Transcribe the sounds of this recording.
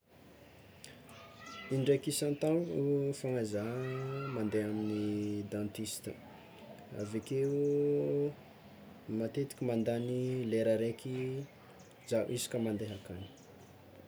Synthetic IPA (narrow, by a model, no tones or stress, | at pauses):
inɖ͡ʐekisant̪anufaŋazamand̪eaminid̪ãnt̪ist̪ə | a̰vekeu | mat̪et̪i̥kʲimand̪anileɾəɾeki | zaʔʔizi̥kəmand̪eɦakani̥